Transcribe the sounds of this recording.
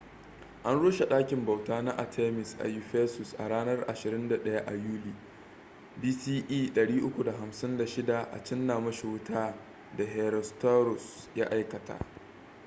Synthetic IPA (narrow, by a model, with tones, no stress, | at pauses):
ʔa˦nɽoː˦ʃe˨ɗaː˦kʲɪ˨mba˨wtaː˦na˦ʔa˨tʰe˦mɪ˨sʔa̰˨ju˦ɸeː˦sʊ˨sʔa̰˨ɽaː˦nɐ˦rʔa˨ʃɪ˨ɾɪ˦nda˨ɗɐ˦ja˦ʔa˨juː˦liː˦˨ | biː˦siː˦ʔiː˦ɗɐ˨ɽiː˦ʔʊ˦kʷu˨da˨ɦa˨msɪ˦nda˨ʃɪ˦da˨ʔa̰˨t͡ʃɪ˦nːaː˨mɐ˦ʃe˨wʊ˦tʰaː˦ | da˨ɦe˨ɾɔ˨sta˦ɾʊ˨s | ja̰˦ʔa˦jkɐ˨tʰa̰ː˦